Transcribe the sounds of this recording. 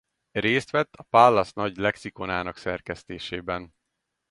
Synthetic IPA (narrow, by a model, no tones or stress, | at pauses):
reːst̪ʋɛt̪ːɒpaːlːɒsnɒɟlɛksikonaːnɒksɛrkɛst̪eːʃeːbɛn